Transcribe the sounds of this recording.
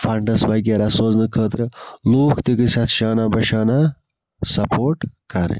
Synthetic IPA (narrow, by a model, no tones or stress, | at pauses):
fɐɳɖɐsbɐɡʲeɾɐsoːznɨkʰəːt̪ɾɨluːkt̪ikisat̪ʰʃaːnabɐʃaːna | sɐpʰoːʈkɐɾḭ